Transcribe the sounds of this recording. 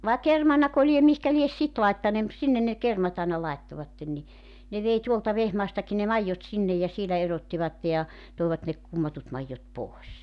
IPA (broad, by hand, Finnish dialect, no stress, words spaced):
ʋɑˑe kermɑnɑko liem mihkæ lies sit lɑitːɑneː mut sinːen ne kermɑt ɑˑenɑ lɑitːoʋɑtːen ni ne ʋei tuoltɑ ʋehmɑːstɑki ne mɑijːot sinːej̆ jɑ sielæ erotːiʋɑtːe jɑ toˑiʋɑt ne kumːɑtut mɑijːot poˑes